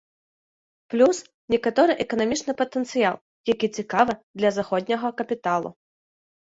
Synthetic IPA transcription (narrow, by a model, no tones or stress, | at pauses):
plʲus | nʲɛkɐt̪ɔɾɨʔɛkɐnɐmʲit͡ʂnɨpɐt̪ɛnt̪sɨja̰lˠ | jɐkʲit͡sʲɪkavɨd̪lʲɐzɐxɔd̪ʲnʲɐɣɐkɐpʲɪt̪alˠʊ̰